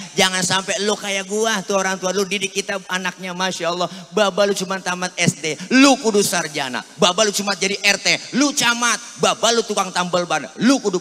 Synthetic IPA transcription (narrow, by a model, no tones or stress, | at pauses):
d͡ʒaŋansampɛlokajaɡuat̪uaoɾaŋt̪ualodidɪkːit̪aanak̚ɲamaʃaɔlˠːɔbabalut͡ʃumant̪amat̪̚ɛsdelukudusard͡ʒana̰babalut͡ʃumat̪̚d͡ʒadiʔɛrt̪elut͡ʃamat̪̚babalut̪ukaŋt̪ambəlbanlukudʊ